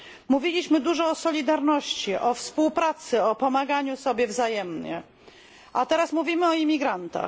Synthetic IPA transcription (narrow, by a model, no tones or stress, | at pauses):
muvʲilʲiɕmɘd̪uʐɔːsɔlʲid̪aɾnɔɕt͡ɕiʔɔfspuwpɾat̪sɘɔpɔmaɡaɲusɔbʲjɛvzajɛmɲɛ̰ | ʔat̪ɛɾasmuvʲimɘɔimʲiɡɾant̪a̰